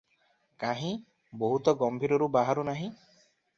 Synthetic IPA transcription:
kaɦĩ | boɦut̪ɔɡɔmbʱiɾɔɾubaɦaɾunaɦĩ

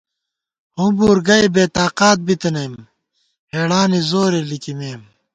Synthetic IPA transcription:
hũbuːɾɡɐebeːt̪aːqaːt̪̚bit̪enejm | heːɽaːnizoːɾelikimeːm

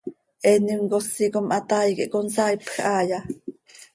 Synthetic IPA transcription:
ʔɛnimkosikomʔɑt̪ɑːjkḭʔkonsɑːjpxʔɑːjɑ

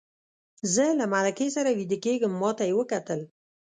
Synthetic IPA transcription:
zəlamalakesaɾawid̪əkeɡəmːɑt̪ajewəkat̪əl

